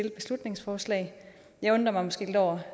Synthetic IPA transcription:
eld̥̚b̥e̝slud̥ne̝ŋsfɒːslɛ̰ː | jɑ̈ɪɔ̽nd̥ʁɐmɑɪmɒ̽sɡ̥e̝̰ːle̝dɒ̰ɐ

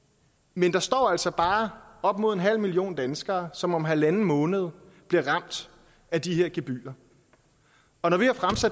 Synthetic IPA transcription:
mend̥ɑ̈sd̥ɒ̰ːæl̰sɒ̽b̥ɑ̈ːɒ̽b̥̚mo̝ð̞̰ˠe̝nɦæl̰milio̝̰ːnd̥ænsɡ̥ɐːsɒ̽mɒ̽mɦælænn̩mɔ̽ːnəð̞̩ˠ | b̥liɐʁɑ̈m̰d̥ | æd̥iɦeɐ̰ɡ̥eb̥y̰ːɐ | ɒ̽nɒʋihɑ̈fʁamsæ̥

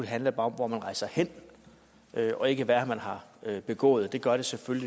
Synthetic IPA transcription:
ulɦænləb̥ɑ̈ːɒ̽mʋɒmænʁɑ̈ɪsɑ̈ɪhen̰ | ʔøʔɒ̽e̝ɡ̥əʋæɐmænɦɑ̈øb̥e̝ɡ̥ɔ̰ːð̞̩ˠd̥e̝ɡ̥ɶɐɾ̥e̝selføli

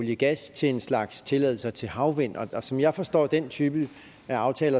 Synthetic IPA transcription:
ljəɡ̥æst͡sʰe̝le̝nslɑ̈ɡ̥st͡sʰe̝lɛð̞̰ˠl̩sɐt͡sʰe̝ɦɑ̈ʊʋen̰ɒ̽ɒsɒ̽mjɑ̈ɪfɒ̽sd̥ɒ̰ːd̥ent͡sʰyːb̥ə | æɑ̈ʊt͡sʰɛːlɐ

